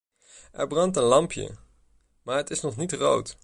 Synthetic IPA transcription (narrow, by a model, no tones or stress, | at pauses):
ʔɛ̰ɹbrɑntənlɑmpjə̰ | maːɹɦətɪsnɔχnitro̰wt